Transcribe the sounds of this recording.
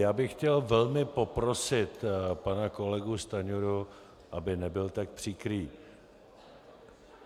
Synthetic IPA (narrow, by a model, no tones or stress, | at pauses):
jaːbɪxːcɛlvɛlmɪpopɾo̞sɪt̪panako̞lɛɡust̪aɲoɾu | ʔabɪnɛbɪlt̪ak̚pr̝̥ikɾiː